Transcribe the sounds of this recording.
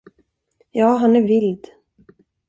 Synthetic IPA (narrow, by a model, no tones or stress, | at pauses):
jɑːɦanæɾvɪld̪